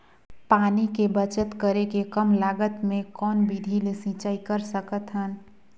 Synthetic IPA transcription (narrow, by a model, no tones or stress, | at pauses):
paːnikebət͡ʃət̪kəɾekekəmlaːɡət̪mẽkɔːnbid̪ʱilesĩːt͡ʃaːikəɾsəkət̪ɦən